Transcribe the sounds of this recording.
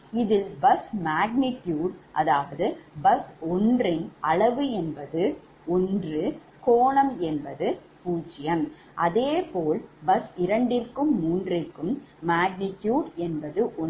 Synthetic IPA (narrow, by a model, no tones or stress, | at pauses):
ɪðɪlbɐsmaːɡnɪʈjuːɽʔɐðaːʋɐðɯbɐsɔndrɪnɐɭɐʋɯɛnbɐðɯ | ɔndrɯ | koːɳɐmɛnbɐðɯ | puːt͡ʃːɪjɐm | ʔɐðeːpoːlbɐsɪɾɐɳɖɪrkɯmːuːndrɪrkːɯmːaːɡ̚nɪʈjuːɽɛnbɐðɯʔɔ